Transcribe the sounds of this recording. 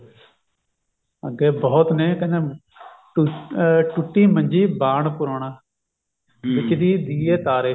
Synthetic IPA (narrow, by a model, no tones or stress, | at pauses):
ə̰ɡɛːbɔːt̪nẽːkəneː | ʈ | ʈʊʈːiːməɲd͡ʒiːbaːɳpʊɾoːɽ̃aː | ʋɪt͡ʃd̪iːd̪iːeːt̪aːɾeː